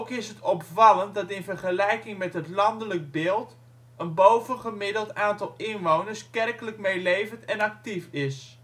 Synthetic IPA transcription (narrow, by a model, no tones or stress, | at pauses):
kɪsɦətɔpfɑlənt̚dɑtɪnvərχəlɛjkɪŋmɛtɦətlɑndələk̚bɪːlˠt | ənbowvənχəmɪdəlˠtaːntɑlˠɪnʋownərskɛrkələkmejlejvəntɛnɑk̚tifɪs